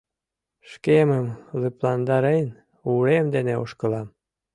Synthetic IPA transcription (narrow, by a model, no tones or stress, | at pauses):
ʃkeməmlyplɑnd̪ɑɾen | uɾemd̪eneo̰ʃkəlɑm